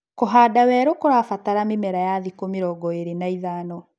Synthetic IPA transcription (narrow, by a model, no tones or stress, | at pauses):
koɦaːdawɛːɾokoɾafataɾamemɛɾajaðikomeɾɔɡɔeɾenaiðaːnɔ